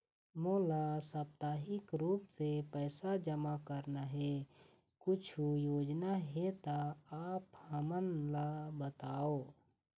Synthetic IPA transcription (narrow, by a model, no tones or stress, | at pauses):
moːlasəp̚t̪aːɦɪkɾuːpsepɛːsad͡ʒəmakəɾnaɦe | kʊt͡ʃʰujoːd͡ʒnaɦet̪aaːphəmənlabət̪aːoː